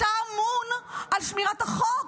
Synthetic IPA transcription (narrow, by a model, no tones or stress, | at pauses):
aːmunʔalʃmiʁat̪aχo